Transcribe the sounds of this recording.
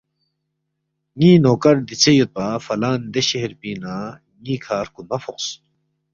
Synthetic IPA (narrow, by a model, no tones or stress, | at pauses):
ŋiːnoːkɐɾd̪it͡sejot̪̚pafɐlaːnd̪eɕeɦeɾpiːnaː | ŋiːkʰaːɾkumɐfoqs